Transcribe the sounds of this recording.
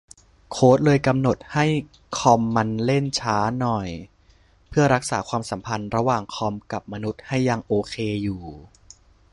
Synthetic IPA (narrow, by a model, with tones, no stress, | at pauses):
kʰoː˦˥t̪̚lɤː˧jka˧mno˨˩t̪̚ha˥˩j | kʰɔ˧mːa˧nle˥˩nt͡ɕʰaː˦˥nɔ˨˩j | pʰɯ˥˩ɐɾa˦˥k̚saː˩˦kʰwaː˧msa˩˦mpʰa˧nɾa˧waː˨˩ŋkʰɔ˧mka˨˩p̚ma˧nu˦˥t̪̚ha˥˩jːa˧ŋʔoː˧kʰeː˧juː˨˩